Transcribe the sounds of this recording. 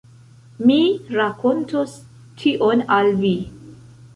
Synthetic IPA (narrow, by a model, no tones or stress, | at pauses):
miɾakʰontʰos | tʰiʔonalvi